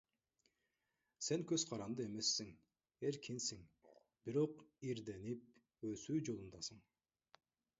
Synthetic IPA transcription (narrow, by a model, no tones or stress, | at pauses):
se̞ŋkøz̥qʰɑɾɑnd̪ɯe̞me̞sːiŋ | eɾkʰinsiŋ | biɾo̞qiɾd̪e̞nip̚ | øsyːd͡ʒo̞lˠund̪ɑsɯɴ